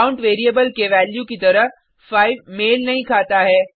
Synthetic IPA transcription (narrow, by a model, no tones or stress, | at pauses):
ʊ̃ɳʈʋeːɾieːbəlkʰeːʋɛːljukit̪ɐɾəɦ | faːɪʋmeːlnɐɦĩkʰaːt̪aːɦeː